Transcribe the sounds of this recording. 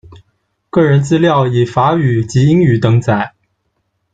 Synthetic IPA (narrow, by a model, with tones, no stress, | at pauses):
kɤ˥˩ɻə˧˥nt͡sɹ̩˥ljɑ˥˩ʊi˨˩fa˧˥y˨˩t͡ɕi˧˥i˥ŋy˨˩t̪ɤ˧˥ŋt͡sa˥˩ɪ